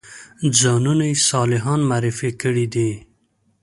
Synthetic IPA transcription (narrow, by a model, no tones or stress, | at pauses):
d͡zɑnunajsɑlɪɦɑnmaːɾɪfekəɽid̪i